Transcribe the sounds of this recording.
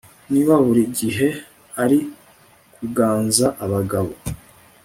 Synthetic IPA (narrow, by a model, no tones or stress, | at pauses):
niβaβuɾiɟiɦe̞ | aɾi | kʰuɡaːnzaʔaβaɡaβo̞